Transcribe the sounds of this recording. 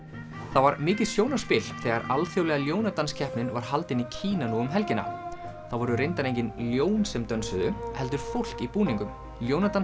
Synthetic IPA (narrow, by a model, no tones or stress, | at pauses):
θawvaɾmɪːcɪsjownaspɪl̥θɛːɣaɾalθjowlɛɣaljoːwnat̪anscʰɛhpnɪnvaɾɦalt̪ɪnicʰiːnanuːʏmɦɛlcɪna̰θawvɔɾʏrejnt̪aɾẽjɲcɪnljoːwnsɛmt̪œnsʏðʏhɛlt̪ʏɾ̥fowl̥kipuːniŋkʏm | ljownat̪an